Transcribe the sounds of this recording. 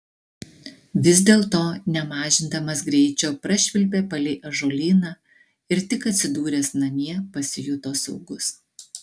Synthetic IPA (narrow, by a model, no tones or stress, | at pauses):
ʋʲɪzd̪ʲeːlˠt̪oːnʲɛmɑːʒʲɪnd̪ɐmɐsɡɾʲɛɪt͡ʃʲoːpɾɐʃʲʋʲɪlʲp̬ʲeːpɐlʲɪʔɐʒoːlʲiːnɑː | ɪɾt̪ʲɪkɐt̪ʲsʲɪd̪uːɾʲɛsnɐmʲiɛpɐsʲɪjʊt̪oːsɔʊɡʊs